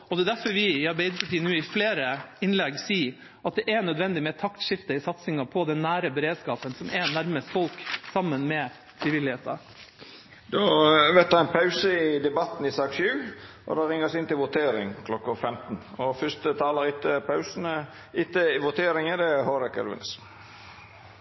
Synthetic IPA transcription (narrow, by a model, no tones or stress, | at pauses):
ɔd̪ɛːd̪æɾfɔɾʋɪɪɑɾbɛɪd̪əpʰɑʈiːənːuːɪfleːɾəɪnlɛɡsiː | ʔɑt̪̚d̪ɛʔɛnœd̪ʋɛnd̪ɪmɛt̪ʰɑkt̪ʂɪft̪əɪsɑt̪sɪŋɑpʰɔd̪ɛnːæːɾəbɛɾeːd̪skɑːpənsɔmʔɛnæɾməst̪fɔlksɑmːənmɛ | fɾiːʋɪlɪheːt̪ɑɾ | d̪ɔʋɛt̪d̪ɑɛɪnpʰɑʉsəɪd̪ɛbɑt̪ːn̩ɪsɑːɡsʉːʔɔ̰d̪ɑːɾɪŋːəsɪnt̪ɪlʋʊt̪ʰeːɾɪŋkʰlɔkːʊfɛmt̪nɔfʏst̪ət̪ʰɑːləɾɪt̪ːəpʰɑʉsən̩ə | ɪt̪ːəɪʋʊt̪ʰeːɾɪŋəd̪ɛhoɾɛkə̰ɾʋɪ̰nəs